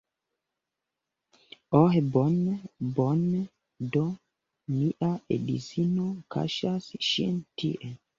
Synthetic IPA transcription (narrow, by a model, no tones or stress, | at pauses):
ɔɦɛbɔnbɔnː | dɔ | miʔaḛdḭsinokʰa̰ʃasʃɛ̰ntḭʔɛ